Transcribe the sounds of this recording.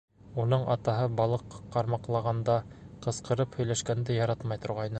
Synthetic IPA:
unɤɴʔɑt̪ɑɦɤbɑlˠɤ̆qːɑqːɑɾmɑqlˠɑʁɑnd̪ɑqɤ̆sqɤ̆ɾɤphɵ̆jlæʃkænd̪ɘjɑɾɑt̪mɑjt̪ŏɾʁɑjnɤ

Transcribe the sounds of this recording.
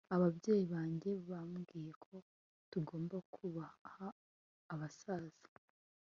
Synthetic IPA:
aβabɟe̞ːjiβaːɲɟe̞βamɡiːje̞kʰo̞ | tuɡo̞ːmbakʰuβahaː | βasaːz̥ḁ

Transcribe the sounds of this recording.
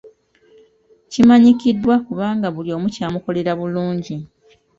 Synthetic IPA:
cimaɲikidːwakuβaːŋɡaβuljo̞ːmucaːmuko̞le̞ɾaβuluːɲɟi

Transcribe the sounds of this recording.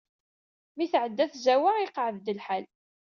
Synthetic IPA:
miθʕəd̪ːæθzæwaʁɪqʕəðd̪əlħal

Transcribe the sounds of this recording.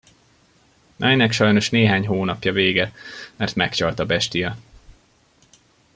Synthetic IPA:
nʔɒɛnːɛkʃɒjno̞ʃneːɦaːɲɦoːnɒpjɒveːɡɛmɛrt̪mɛkt͡ʃɒlt̪ɒbɛʃt̪ijɛ

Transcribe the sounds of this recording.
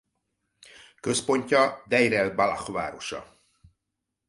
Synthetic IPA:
kø̞spo̞ɲcɒd̪ɛjɾɛlbala̰χva̰ːɾo̞ʃɒ̰

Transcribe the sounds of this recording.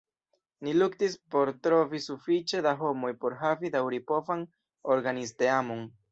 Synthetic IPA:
niluktispo̞ɾtɾo̞visufit͡ʃe̞daɦo̞mo̞jpo̞ɾɦavidawɾipo̞van | o̞ɾɡanisteamo̞n

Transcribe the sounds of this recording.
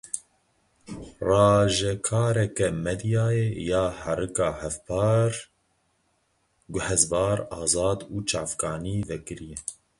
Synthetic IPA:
rɑːʒɛkʰɑːɾɛkɛmɛd̪jɑːjeːjɑːhɛɾɨkɑːhɛfpʰɑːɾ | ɡʊhɛzbɑːɾɑːzɑːd̪uːt͡ʃɑːfkɑːniːvɛkɨɾijɛ

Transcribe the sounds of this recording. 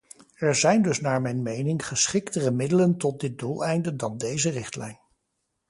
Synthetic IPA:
ɛɹzɛjndɵsnaːɹmɛjnmejnɪŋχəsχɪktərəmɪdələntɔt̚dɪt̚dulˠɛjndədɑndejzərɪχtlɛ̰jn

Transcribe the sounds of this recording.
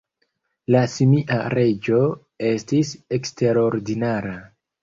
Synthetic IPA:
lasimiʔa̰ɾe̞d͡ʒo̞ | e̞stisekste̞ɾo̞ɾdinaɾa

